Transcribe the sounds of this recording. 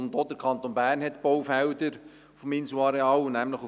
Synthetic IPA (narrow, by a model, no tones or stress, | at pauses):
nd̪od̥əɾkʰɑnt̪onbæːrnɦɛtb̥ɔwfæwdəɾ | fɔminsuɑɾeɑːlnæmləχu